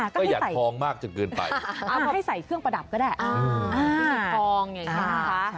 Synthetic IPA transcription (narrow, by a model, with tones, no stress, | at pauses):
kɔ˥ɔː˥˩˥jaː˨˩a˨˩ɔː˧ŋmaː˥˩k̚t͡ɕɯ˨˩kɯː˧npa̰˧ja˧˩˧ha˥˩jsa˨˩jkʰɯ˥˩əŋpɾa˧da˨˩p̚kɔː˥˩daː˥˩ʔa˧ʔaː˧˥˧ɔː˧ŋja˨˩a˧˦˧a˦˥